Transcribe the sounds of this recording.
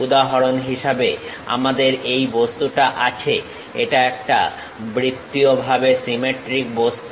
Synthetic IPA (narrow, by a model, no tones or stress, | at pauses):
ud̪aɦoɾonɦiʃabe | a̰mad̪eɾejbost̪uʈaʔat͡ɕʰe | eʈaɛk̚ʈa̰ | bɾit̪ːiobʱabesimeʈɾik̚bost̪